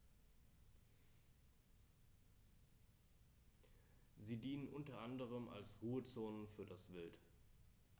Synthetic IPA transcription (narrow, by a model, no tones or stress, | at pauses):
ziːdiːnənʔʊntɐʔandəʁ̞əma̰lsʁuːət͡soːnənfyːɐdasv̥ɪlt